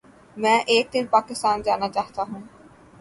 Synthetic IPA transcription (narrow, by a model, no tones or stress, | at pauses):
mɛ̃ʔek̚d̪inpakist̪and͡ʑanat͡ɕat̪aɦũ